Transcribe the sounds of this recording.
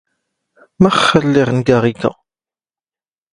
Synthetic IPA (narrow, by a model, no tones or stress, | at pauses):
mæχːəlːɪʁnɡaʁikæ̰